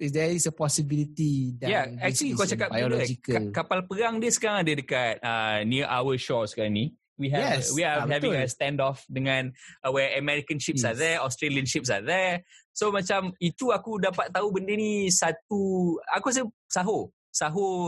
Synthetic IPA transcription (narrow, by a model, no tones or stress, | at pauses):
isdɛisəpɔsibilit̪idɛjaɛk̚t͡ʃulikɔt͡ʃakap̚ajləd͡ʒikəlkapalpəɾaŋdiəsə̥kaɾaŋadədəkat̪̚əniʔawəʃɔskaɾãŋni | wiɦɛɛswiahɛvĩŋəst̪ɛ̃ndɔfdəŋãnwɛəmɛɾikənʃipsaðɛɔst̪ɾeliənʃip̚s̬a̰ðɛsomat͡ʃamit̪uakudapat̪̚ːaubəndənisat̪̚uakus̬ə | saɦo | saɦo